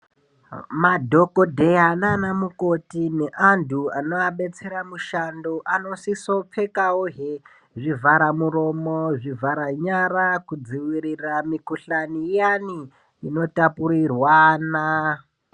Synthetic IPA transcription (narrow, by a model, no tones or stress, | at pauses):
madʱo̞ko̞dʱe̞jananamuko̞tine̞ʔandʰuano̞aɓe̞t͡se̞ɾamuʃando̞ʔano̞siso̞p͡fe̞kaoɦe | ʐivʱaɾamuɾo̞moʐivaɾaɲaɾakud͡ziwiɾiramikuɬanijani | ino̞tapuɾirwana